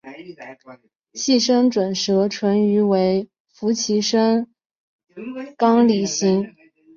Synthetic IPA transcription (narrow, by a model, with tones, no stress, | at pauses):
ɕi˥˩ʂɤ˥ŋʈ͡ʂwə˨˩nʂɤ˧˥ʈ͡ʂʰwə˧˥ny˧˥we˧˥ɪ | fu˧˥t͡ɕʰi˧˥ʂə˥ŋ | kɑ˥ŋli˨˩ɕi˧˥ŋ